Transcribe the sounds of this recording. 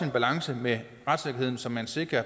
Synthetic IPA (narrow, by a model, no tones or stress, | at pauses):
inb̥ælɑ̈ŋsəme | ʁad̥seɡ̥ɐhe̝ð̞̰ˠn̩sɒ̽mænse̝ɡ̥ɐ